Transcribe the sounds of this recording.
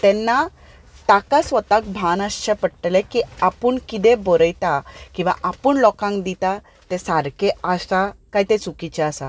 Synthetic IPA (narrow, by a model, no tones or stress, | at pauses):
t̪ɛnːa | t̪akasʋət̪ak̚bʱanəɕt͡ɕepəɽʈ̪lẽkiapuɳkid̪ẽbɔɾəjt̪akĩw̃ʋa̰ʔapəːɳlɔkãŋkd̪it̪a | t̪ẽsaɾkeasakajt̪ẽt͡sukit͡ɕeasa̰